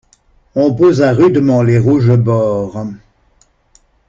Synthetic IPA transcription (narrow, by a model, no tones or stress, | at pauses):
ɔ̃pozaʁyd̪mɑ̃leʁuʒəbɔːʁ